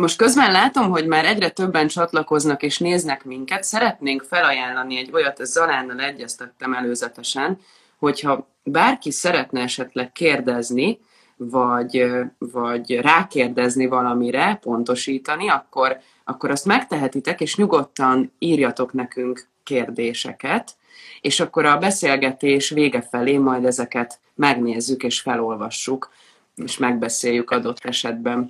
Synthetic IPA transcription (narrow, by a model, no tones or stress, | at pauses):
mo̞ʃt̪̚kø̞zbɛnlaːt̪o̞mɦo̞ɟmaːɾɛɟrɛt̪ø̞bːɛnt͡ʃɒt̪lɒko̞znɒkeːʃneːznɛkmiŋkɛt̪sɛɾɛt̪neːŋkfɛlɒjaːnlːɒniɛɟːo̞jɒt̪ɛzzɒlaːnːɒlɛɟːɛst̪ɛt̪ːɛmɛløːzɛt̪ɛʃɛn | ho̞chɒ | baːrkisɛɾɛt̪nɛɛʃɛt̪lɛkkːeːrd̪ɛzni | vɒɟvɒɟraːkeːrd̪ɛznivɒlɒmiɾɛpo̞nt̪o̞ʃiːt̪ɒniɒkːo̞r | ʔɒkːo̞ɾɒst̪mɛkt̪ɛɦɛt̪it̪ɛkeːʃɲuɡo̞t̪ːɒniːrjɒt̪o̞knɛkyŋkː | eːrd̪eːʃɛ̰kɛt̪ | eːʃɒkːo̞ɾɒbɛseːlɡɛt̪eːʃveːɡɛfɛleːmɒjd̪ɛzɛkɛt̪ | mɛɡneːzːykeːʃfɛlo̞lvɒʃːuk | eːʃmɛɡ̚bɛseːjːykɒd̪o̞t̪ːɛʃɛd̪̚bɛn